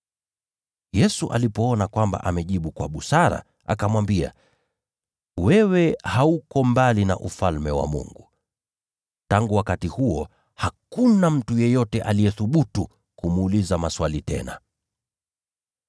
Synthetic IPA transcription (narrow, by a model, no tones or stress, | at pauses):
jɛsuʔa̰lipɔɔnakwamba̰ʔamɛʄiɓukwa̰ɓusaɾa̰ | ʔa̰kamwambia̰ | wɛwɛhaukɔmbalina̰ʔufalmɛwa̰mṵŋɡu | taŋɡuwakatihuɔ | hakunam̩tujɛjɔtɛʔalijɛθuɓutu | kumuːlizamaswalitɛ̰na